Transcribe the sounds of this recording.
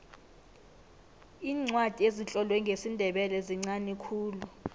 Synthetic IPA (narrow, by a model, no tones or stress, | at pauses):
iːŋ͡ǀwad̥ʱiezit͡ɬʼɔlwɛŋɡʱesindʱɛɓɛlɛziŋ͡ǀanikʰuːlu